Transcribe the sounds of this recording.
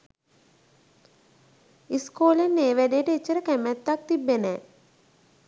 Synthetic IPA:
iskoːlenːeːʋæɖejəʈəit͡ʃːəɾəkæmæt̪ːak̚t̪ibːenɛː

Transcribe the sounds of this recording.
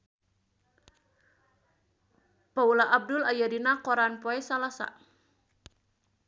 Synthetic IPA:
paulaʔab̚dʊlajadinakoɾanpoɛsalasa̰

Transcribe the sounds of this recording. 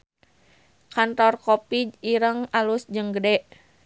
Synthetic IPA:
kant̪ɔrkɔpiiɾəŋalusd͡ʒəŋɡədɛʔ

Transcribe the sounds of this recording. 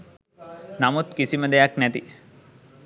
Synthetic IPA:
namut̪kisiməd̪ɛjaknæt̪i

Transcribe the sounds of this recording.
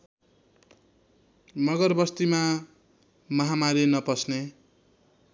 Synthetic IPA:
nʌɡʌrbʌst̪ima | mʌɦamaɾinʌpʌsne

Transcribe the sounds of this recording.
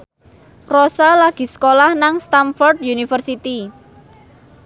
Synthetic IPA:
rosalaɡ̥i̤sə̥kolahnaŋst̪anfɔrd̪junifərsit̪i

